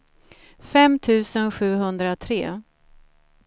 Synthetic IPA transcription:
fɛmt̪ʰʉ̟ːsənɧʉ̟ːɦɵnd̪ɾat̪ʰɾeː

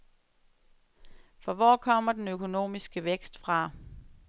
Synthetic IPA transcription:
fɒ̽ʋɒːkʰɒ̽m̰ɐd̥enøkʰo̝no̝̰ːmisɡ̥əʋeɡ̥sd̥fʁɑ̈

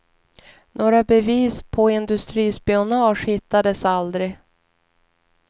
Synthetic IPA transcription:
noːɾabɛviːspʰɔɪnd̪ɵst̪ɾiːspiʊnɑːʂhɪt̪ːad̪əsald̪ɾɪ

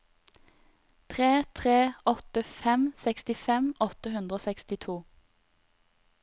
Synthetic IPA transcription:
t̪ʰʁeːt̪ʰʁeːʔɔt̪əfɛmsɛkst̪ɪfɛmɔt̪əɦʉnd̪ʁəoːsɛkst̪ɪt̪ʰuː

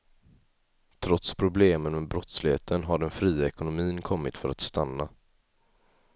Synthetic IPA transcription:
t̪ʰɾɔt̪spʰɾʊbleːmənmɛbɾɔt̪slɪheːt̪ʰənɦaɖɛnfɾiːaɛkʊnʊmiːnkʰɔmːɪt̪fœɾa̰t̪st̪anːa

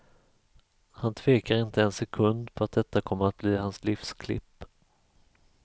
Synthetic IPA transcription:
hant̪ʰv̥eːkaɾɪnt̪əɛnsɛkʰɵnd̪pʰɔat̪̚d̪ɛt̪ːakʰɔmːəɾat̪̚bliːhanslɪfskʰlɪ̰pː

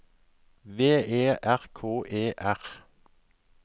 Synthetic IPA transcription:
ʋeːeːʔæʁkʰoːʔeːʔæʁ

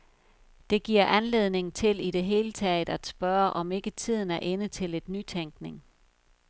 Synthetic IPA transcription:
d̥e̝ɡ̥iɐ̰ʔænle̝ðˠne̝ŋ̩t͡sʰe̝liɾe̝ɦe̝ːlət͡sʰɛ̰ɪd̥æ̥sb̥ɶɐʔɒ̽me̝ɡ̥ət͡sʰið̞̰ˠn̩æɐʔe̝nət͡sʰe̝le̝d̥ny̰t͡sʰeŋɡ̥ne̝ŋ

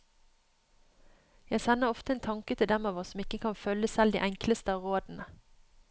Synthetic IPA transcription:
jæɪsɛnːəʁɔft̪əeːnt̪ʰɑŋkət̪ʰɪld̪ɛmɑːʋɔsɔmɪkəkʰɑnfœləsɛld̪ḭʔæŋkləst̪əɑːʋʁoːd̪n̩ə

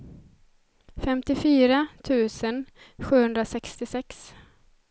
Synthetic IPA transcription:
fɛmt̪ɪfyːɾat̪ʰʉ̟ːsən | ɧʉ̟ːhɵnd̪ɾasɛkst̪ɪsɛks

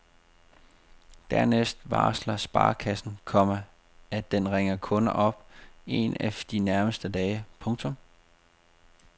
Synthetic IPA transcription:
d̥æɐnesd̥ʋɑ̰̈ːslɐsb̥ɑ̰̈ːkʰæsn̩kʰɒ̽m̰ɐ | æ̥enʁeŋɐkʰɔ̽nʔɒ̽b̥̚e̝̰næd̥inæɐməsd̥ədɛːɪpʰɔ̽ŋt͡sʰɔ̽m

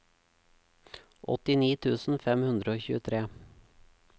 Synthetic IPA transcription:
ʔɔ̰t̪ɪniːt̪ʰʉːsn̩fɛmhʉnd̪ɾəoːçʉ̰ːət̪ʰɾeː

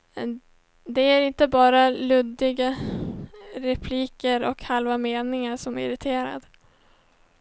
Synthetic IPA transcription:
ɛ | d̪ɛæɾɪnt̪əbɑːɾalɵd̪ːɪɡa | ɾɛpʰliːkəɾɔkhalvameːnɪŋaɾʂɔmæɪ̰ɾɪt̪ʰeːɾa̰d̪

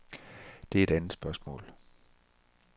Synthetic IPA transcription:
d̥e̝æɐe̝ɾ̥ænð̩ˠsb̥ɶɐsmɔ̰ːl

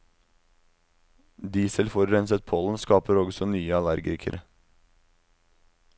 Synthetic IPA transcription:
d̪iːsəlfɔɾɾɛnsət̪̚pʰoːln̩skɑːpəɾɔɡsɔnyːəɑlæɾɡɪ̰kʰə̰ɾʔə

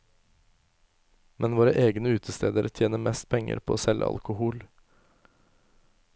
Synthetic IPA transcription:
mʔɛnʋoːɾəʔeːɡnəʉːt̪ʰəst̪eːd̪əɾt̪ʰjeːnəmɛst̪̚pʰɛŋə̰ɾpʰoːoːsɛlʔə̰ɑ̰lkʊhuːl

